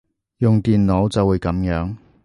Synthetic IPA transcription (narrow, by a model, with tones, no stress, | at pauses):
jʊ˨ŋt̪iː˨nlo˨˥wt͡sɐ˨wuː˨˧jkɐ˨˥mjœː˨˥ŋ